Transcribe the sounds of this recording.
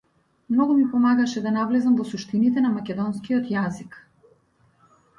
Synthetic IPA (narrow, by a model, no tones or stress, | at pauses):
mnɔɡumipɔmaɡaʃɛd̪anavlɛzamvɔsuʃt̪init̪ɛnamakʲɛd̪ɔnskiɔt̪jazik